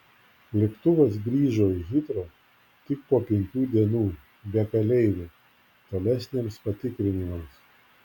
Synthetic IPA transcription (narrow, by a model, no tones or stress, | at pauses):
lʲɛkt̪ʊʋɐsɡɾʲiːʒoːiɣʲɪt̪ɾoː | t̪ʲɪk̚poːpʲɛŋʲkʲuːd̪ʲiɛnuː | bʲɛkɐlʲɛɪʋʲɛ | t̪oːlʲæsʲnʲeːmspɐt̪ʲɪkɾʲɪnʲɪmɐms